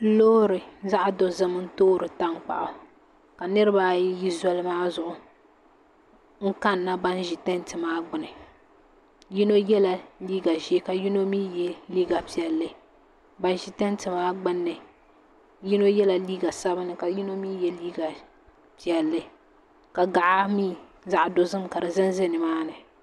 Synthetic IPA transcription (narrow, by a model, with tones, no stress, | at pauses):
loː˦ɾɨ˨za˦ʔa˦do˨zɨ˦mɨ˦n̩˦toː˦ɾɨ˨ta˦ŋ˦k͡pa̰˨ʔʊ˨ | ka˨nɨ˦ɾɨ˦ba˦jji˦zɔ˦lɨ˦maː˦zʊ˨ʔʊ˨ | ŋ̩˦ka˦nːa˦ba˦n˦ʒi˨tɛ˦ntɨ˨maː˦ɡ͡bɨ˨nɨ˨ | ji˦no˦jɛ˦la˨liː˦ɡa˨ʒi˦ka˨ji˦no˦mi˦jɛ˦liː˦ɡa˨pi˨ɛ˨lːɨ˦ | ba˦nʒi˨tɛ˦ntɨ˨maː˦ɡ͡bɪ˦nːɨ˨ | ji˦no˦jɛ˦la˨liː˦ɡa˨sa˦bɨ˦nɨ˨ka˨ji˦no˦miː˦jɛ˦liː˦ɡa˨ | pi˨ɛ˨lːɨ˦ | ka˨ɡa˨ʔa˦miː˦˨ | za˨ʔdo˨zɨ˦mka˨dɨ˨zɨ˦n˦zɪ˦nɨ˨maː˦nɨ˨